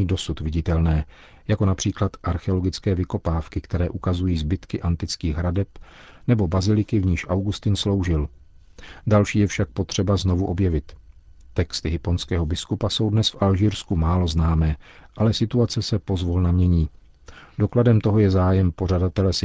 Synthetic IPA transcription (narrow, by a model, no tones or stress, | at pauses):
iːdo̞sut̪vɪɟɪt̪ɛlnɛː | jako̞napr̝̥iːklat̪ʔaɾxɛolo̞ɡɪt͡skɛːvɪko̞paːfkɪkt̪ɛɾɛːʔukazujiːzbɪt̪kɪʔant̪ɪt͡skiːɣɦɾadɛp | nɛbo̞bazɪlɪkɪvɲiːʃʔawɡust̪ɪnslo̞wʒɪl | dalʃiːjɛfʃak̚po̞t̪r̝̥ɛbazno̞vuʔo̞bjɛvɪt̪ː | ɛkst̪ɪɦɪpo̞nskɛːɦo̞bɪskupaso̞wdnɛsfʔalʒiːɾskumaːlo̞znaːmɛːʔalɛsɪt̪uat͡sɛsɛpo̞zvulnamɲɛɲiː | do̞kladɛmt̪o̞ɦo̞jɛzaːjɛmpo̞r̝adat̪ɛlɛsɪ